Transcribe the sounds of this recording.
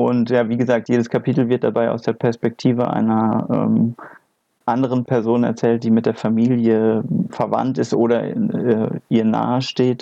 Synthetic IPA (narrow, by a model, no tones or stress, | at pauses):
ʔʊntjaːviːɡəzaːk̚tjeːdəskʰapʰiːtl̩vɪɐt̚d̥abaɪʔa̰ʊsd̥eːɐpʰɛɐspɛk̚tʰiːvə̰ʔa̰ɪnɐʔɛ̰ːm | ʔandəʁ̞ənpʰɛɐzoːnɛ̰ɐt͡sɛːlt̚d̥iːmɪt̚d̥eːɐfamiːljəfɛɐva̰ntɪstʔoːɾɐɛʔiːɐna̰ːəʃteːt